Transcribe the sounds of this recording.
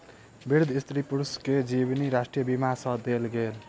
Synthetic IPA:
biɾd̪ʱist̪ɾipuɾusked͡ʒibniɾasʈɾijəbimasʌd̪elɡel

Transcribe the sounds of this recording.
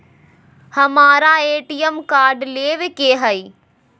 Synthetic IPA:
hɐmaːɾaeːʈijəmkaːɾɖleːʋɪkeːɦɐiː

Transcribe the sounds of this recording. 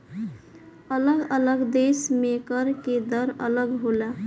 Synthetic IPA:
ələɡələɡd̪esmekəɾked̪əɾə̰ləɡɦola

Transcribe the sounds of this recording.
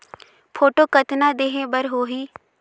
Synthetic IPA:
pʰoːʈoːkət̪naːd̪eːɦẽːbəɾɦoːɦiː

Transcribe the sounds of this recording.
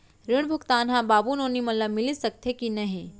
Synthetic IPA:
ɾɪɽ̃bʱʊkt̪aːnɦãbaːbunoːnimɐt̪ləbmɪlisɐk̚t̪ʰekinɐɦĩ

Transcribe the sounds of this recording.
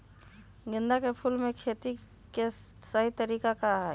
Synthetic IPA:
ɡɪ̃nd̪akepʰulmẽkʰeːt̪i | kesəɦit̪əɾiːkakaɦɛ

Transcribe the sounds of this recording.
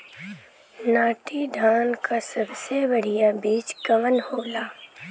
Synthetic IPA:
naːʈid̪ʱaːnkasɐbsebɐɽ̤ijabiːt͡ʃɡɐʋənhoːlaː

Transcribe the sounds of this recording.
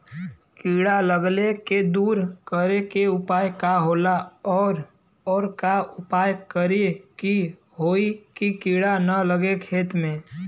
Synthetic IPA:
kiːɽaləɡleked̪uːɾkəɾekeʊpaːjkaɦoːlaɔːɾ | ɔːɾkaʊpaːjkəɾeki | ɦoːikikiːɽanələɡekʰeːt̪mẽ

